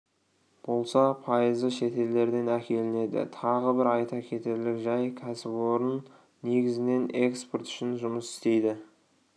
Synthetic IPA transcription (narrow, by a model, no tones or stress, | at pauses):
b̥o̞lˠsɑpʰɑjəzəʃe̞t̪e̞ld̪e̞ɾd̪e̞nækʲe̞lɪne̞d̪ɪ̰t̪ʰɑʁəbɪɾɑjt̪ɑkʲʰe̞t̪e̞ɾlɪkʒɑjkʲʰæsɪpo̞ɾənː | e̞ɡʲɪzɪne̞nʔe̞ksport̪ʏ̥ʃɪnʒʊməsɪ̥st̪e̞jd̪ɪ